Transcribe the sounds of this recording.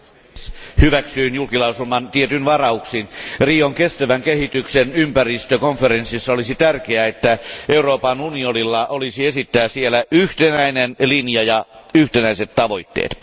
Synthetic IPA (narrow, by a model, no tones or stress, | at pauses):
hyʋæksyːnjulkilɑusulmɑnt̪iet̪ynʋɑrɑuksinriːoŋkest̪æʋæŋkehit̪yksenympærist̪økoɱfeɾensisːɑolisit̪ærkeæet̪ːæeuroːpɑnunionilːɑʔolisiesit̪ːæːsielæyht̪enæinenlinjɑjɑyht̪enæiset̪tɑʋo̞it̪ːḛːt̪